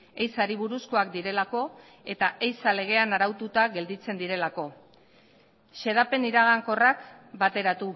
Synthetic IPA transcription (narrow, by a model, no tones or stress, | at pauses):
ejsaɾiβ̞uɾusko̞ak̚d̪iɾe̞lako̞ | e̞t̪aejsale̞ɣ̞e̞anaɾawt̪ut̪aɣe̞ld̪it͡se̞nd̪iɾe̞lako̞ | ʃe̞ð̞ape̞niɾaɣ̞aŋko̞rakbat̪e̞ɾat̪u